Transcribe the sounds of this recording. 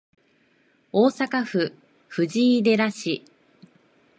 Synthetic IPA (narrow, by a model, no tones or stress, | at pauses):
oːsakaɸɯ̟ | ɸɯ̟ʑiid̪e̞ɾaɕi